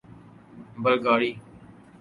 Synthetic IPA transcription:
bəlɡaːɽiː

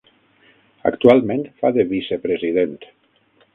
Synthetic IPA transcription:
a̰kt̪ualˠmẽnt̪faðeβisepɾezið̞ent̪

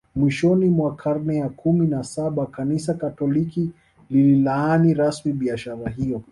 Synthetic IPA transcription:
mwiʃɔnimwakʰaɾnɛjakʰuminasaɓakanis̬akatɔliki | lililaaniɾasmiɓiaʃaɾaɦijɔ

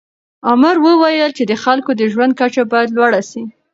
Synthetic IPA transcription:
ʊmaɾwəwajəlt͡ʃed̪əxalkod̪əʒwand̪̚kat͡ʃabɑjad̪lwaɽasi

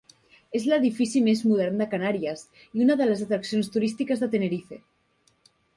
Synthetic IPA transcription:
ezlaðifisimezmuðeɾnd̪akanaɾjas | iunaðelazat̪ɾaksjonst̪uɾist̪ikazðet̪eneɾife

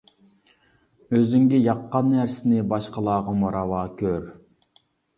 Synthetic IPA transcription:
øzyŋɡʲɪjɑqːɑnːæɾsɪnɪbɑʃqɑlˠɑːʁɑmoɾɑwɑːkʲʰøɾ

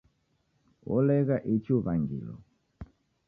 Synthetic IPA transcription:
ɔlɛɣaʔit͡ʃuβaŋɡḭlɔ̰

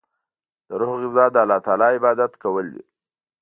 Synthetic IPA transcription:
d̪̥əɾuhɣɪzɑd̪əalɑt̪ɑlɑɪbɑd̪at̪kawəld̪ḭ

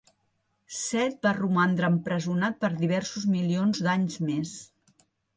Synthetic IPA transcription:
sɛt̪̚barumand̪ɾəːmpɾəzunat̪̚pəɾðiβ̞ɛɾsuzmilionzd̪aɲzmes

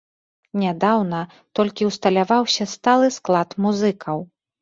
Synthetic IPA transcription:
nʲad̪awnɐ | t̪ɔlʲkʲiwst̪ɐlʲavawsʲɐst̪alˠɨsklˠat̪muzɨkʰɐw

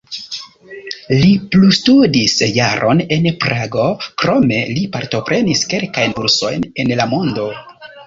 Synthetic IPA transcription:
liplustudisjaɾʔo̞̰ne̞npɾaɡo̞kɾo̞me̞lipaɾto̞pɾʔe̞niske̞lkajnbuɾso̞̰jne̞nlamo̞ndo̞

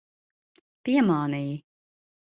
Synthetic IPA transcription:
piɛmɑːniːj

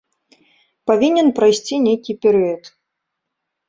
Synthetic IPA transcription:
pavʲinʲɛnpɾajsʲt͡sʲinʲejkʲipʲɛɾɨjɐt̪

